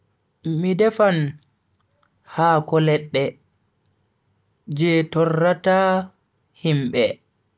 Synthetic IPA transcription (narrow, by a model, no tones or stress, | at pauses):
midɛfan | haːkɔlɛɗːɛ | d͡ʒɛːtɔrːataː | himɓɛ